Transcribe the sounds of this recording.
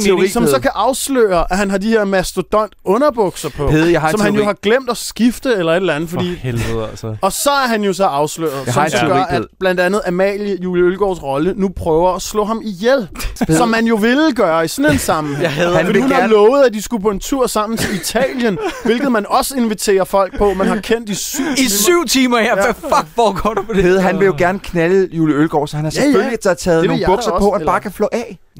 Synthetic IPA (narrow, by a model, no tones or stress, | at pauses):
isɒ̽msɒ̽kʰæʔɑ̈ʊslø̰ːɐʔæɦænɦɑ̈diheɐ̰mæsd̥od̥ɒn̰d̥ɔ̽nɐb̥ɔ̽ɡ̥sɐpʰɒ̽sɒ̽mhænjo̝ɦɑ̈ɡ̥lem̰d̥ɒsɡ̥ifd̥əelɐe̝d̥lænð̩ˠfɒ̽dḭː | ɒ̽sɒ̽æɐɦænjo̝sɒ̽ɑ̈ʊslø̰ːɐð̩ˠsɒmsɒɡɶɐæb̥læn̰d̥ænð̞̩ˠæmɛ̰ljəjuːləølɡ̥ɒ̰ːsʁɒ̽lənupʰʁœːʊɐːslɔ̰̽ːhɑ̈mijelsɒ̽mːænjo̝ʋe̝lɡ̥ɶːɐisɒnensɑ̈mhðˠæfdihunɑlɔ̽ːʊð̩ˠæd̥isɡ̥upʰɔ̽e̝nt͡sʰuɐ̰sɑ̈m̰n̩sʰeit͡sʰɛ̰ːljənʋe̝lɡ̥ð̩ˠmænɒ̽səe̝nʋit͡sʰe̝̰ːɐfɒ̽l̰ɡ̥̚pʰɒ̽mænɦɑ̈kʰen̰d̥isy̰iyʊ̰t͡sʰiːmɐjææfɒɡ̥ʋɒːɡ̥ɒ̰dpʰɒdeðˠɦænʋe̝joɡ̥æɐnəkʰnæləjuləølɡ̥ɒ̰ːsɒ̽hænhɑjeølliæd̥ɑt͡sʰɛːð̩ˠnoːŋbɔ̽ɡsɐpʰɒ̽hæbɑ̈ːkʰæflɔ̰ːʔɛ